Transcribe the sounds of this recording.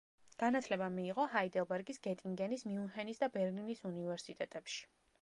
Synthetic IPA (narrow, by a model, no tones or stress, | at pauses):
ɡ̥anat̪ʰlɛbamiːʁɔhaid̪ɛlˠbɛɾɡisɡɛt̪ʼiŋɡɛnismiunɦɛnisd̪abɛɾlinisunivɛɾsit̪ʼɛt̪ʼɛpʃi̥